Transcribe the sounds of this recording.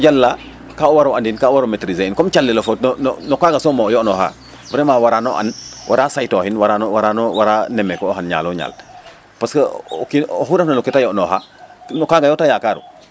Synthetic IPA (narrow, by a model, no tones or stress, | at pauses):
ɟalːa | kauwaɾoandinkaːuwaɾometɾizenkɔmt͡ʃalːilofotnnɔ̰nɔkaɡasɔmɔjɔnɔha̰ː | vɾɛmaːwaɾaːnɔʔa̰nwʔa̰ɾaːsajtɔːhinwaɾanwaɾanɔwaɾaːnɛmɛkɔːɦanɲa̰ːlɔɲa̰ːl | paskəɔkiɔxuɾɛfnɐnukitajɔʔnɔɦanɔkaːɡajɔtajakaːɾṵ